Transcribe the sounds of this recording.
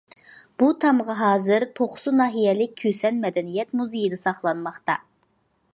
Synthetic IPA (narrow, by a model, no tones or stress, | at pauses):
b̥ut̪ʰɑmʁɑɦɑːzɨɾt̪ʰoχsunɑːɦijɛlɪk̚ʲkʰøsɛnmɛd̪ɛnijɛt̪muzejid̪ɛsɑχlˠɑnmɑχt̪ɑ